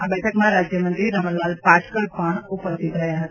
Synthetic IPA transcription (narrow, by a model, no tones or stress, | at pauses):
abɛːʈʰəkmãɾaːd͡ʒjəmə̃nt̪ɾiɾɐɦməllaːlpaːʈʰkəlpaɽ̃ʊpəst̪ʰit̪ɾɐɦjaɦɐt̪ː